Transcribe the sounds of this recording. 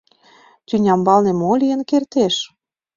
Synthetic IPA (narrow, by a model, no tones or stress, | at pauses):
t̪ʲynʲɑmbɑlnĕmolʲijə̆nkert̪eʃ